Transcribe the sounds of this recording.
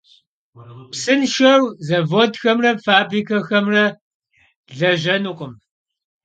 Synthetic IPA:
psɨnʃɐrzɐvodxɐmrɐfaːbrikʰɐxɐmrɐ | ɮɐʒɐnuqʼəm

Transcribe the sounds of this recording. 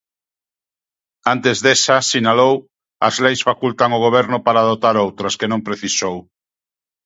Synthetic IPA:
ant̪ezðesasinalow | ɐ̰zlejsfakult̪aŋoɣ̞oβ̞ɛɾnʊpaɾaðot̪aɾowt̪ɾɐskenõmpɾeθisow

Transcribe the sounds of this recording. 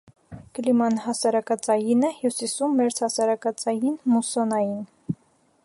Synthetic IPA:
kəlimɑnɦɑsɑɾɑkɑt͡sɑjinɛhjusisumːɛɾt͡sʰhɑsɑɾɑkɑt͡sɑjinmusɔnɑjin

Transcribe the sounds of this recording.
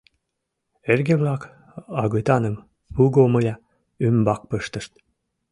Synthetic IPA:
erɡeβlɑk | ɑɣut̪ɑnəm | uɣoməjɑ | ymbɑk̚pəʃt̪əʃt̪̚

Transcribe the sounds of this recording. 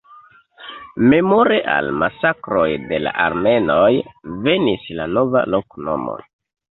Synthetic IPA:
me̞mo̞ɾeʔa̰lmasakɾo̞jde̞la̰ʔaɾme̞nojve̞nislano̞va̰lokno̞̰mo̰

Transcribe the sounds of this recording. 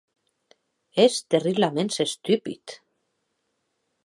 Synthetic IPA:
ɛst̪ɛrilamɛnsɛst̪ʰypḭt̪

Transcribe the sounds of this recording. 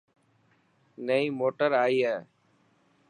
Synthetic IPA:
nəiːmoːʈəɾaːiːɦɛː

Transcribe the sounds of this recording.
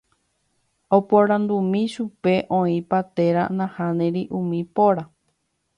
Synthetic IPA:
opoɾãnd̪umĩʃupe̞ʔõĩpat̪eɾa̰nãhãnẽɾiʔũmĩpoɾa

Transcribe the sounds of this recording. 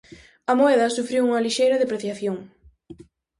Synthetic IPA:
ɐmoɛðɐsufɾiwuŋɐliʃejɾɐðepɾeθjaθjoŋ

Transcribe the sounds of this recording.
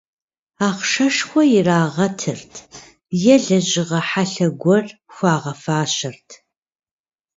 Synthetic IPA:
aːχʂɐʂxʷɔjɪraːʁɐtʰɨrtʰ | jɛɮɐʑʼɪʁɐħaɬɐɡʷɔrxʷaːʁɐfaːɕɐrtʰ

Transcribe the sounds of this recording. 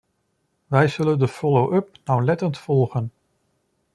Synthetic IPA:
ʋɛjzɵləndəfɔlowʔɵp̚nawlɛtəntfɔlˠχən

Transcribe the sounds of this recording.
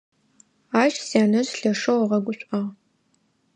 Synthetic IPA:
aːʃsaːnɐrɬɐʂɐwɐʁɐɡʷʊɕʷʼɐʁ

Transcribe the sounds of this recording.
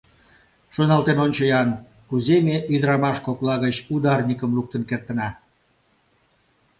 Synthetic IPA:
ʃonɑlˠt̪enonʲt͡ɕəjɑn | kuzemeʔyd̪əɾɑmɑʃkoklɑɣət͡ɕud̪ɑrnʲikəmluk̚t̪ənkert̪ənɑ

